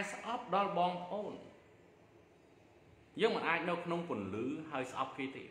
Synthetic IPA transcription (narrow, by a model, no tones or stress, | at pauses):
ɛsʔɑp̚ɗɑlɓɑːŋpə̆ʔoːn | jəːŋmɨnʔaːc̚nɨwkʰnoŋkʊ̆ənlɨːɦaəjsʔɑ̰p̚kʰniət̪ḛː